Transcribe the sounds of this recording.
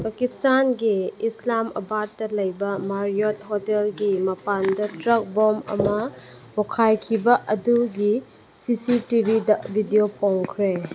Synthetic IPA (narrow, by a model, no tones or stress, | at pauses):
pɐkistanɡiːslamɐ̰bat̚ːɐlɐjbɐmaɾijot̚hotelɡimɐpandɐtɾɐk̚bomɐ̰mɐ | bokʰajkʰibɐʔɐduɡi | sisitibʱidɐbʱidiopʰoŋkʰɾe